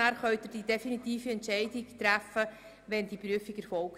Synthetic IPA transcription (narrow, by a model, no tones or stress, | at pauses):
æːɾχœɥt̪əd̥id̥efinit̪iːfiɛntʃɛɪdɪktɾæfə | ʋɛndipɾyəfikɛɾfɔlk